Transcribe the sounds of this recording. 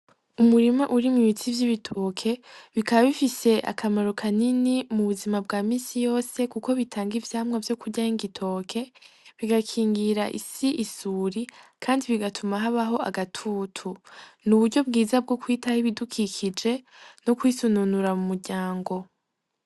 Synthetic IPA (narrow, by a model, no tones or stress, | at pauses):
umuɾimaʔuɾimwiβit͡sivjiβitʰokʰe̞βikaβaβifise̞ʔa̰kʰamaɾokʰaninimuβuzimabɡaːmiːsijo̞ːse̞kuko̞βitʰaːŋɡivjaːmwavjo̞kuɾɟaiŋɡitʰo̞ːkʰe̞ | βiɡakʰiːŋɡiɾaʔḭsiʔisuːɾikʰaːndiβiɡatʰumaɦaβaɦo̞a̰ɡatʰuːtʰunuβuɾɟo̞bɡiːzab̚ɡo̞kwiːtahiβidukʰikʰid͡ʒe̞ | nokwisununuɾamumuɾɟaːŋɡo̞